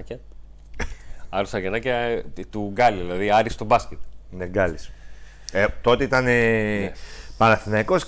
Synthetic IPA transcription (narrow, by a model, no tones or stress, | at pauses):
ɐ | ɐɾusɐɣenɐcɐt̪uɡɐliðilɐðiɐɾist̪obɐscet̪neɡɐlis | et̪o̞t̪eit̪ɐne | pɐnɐθinekos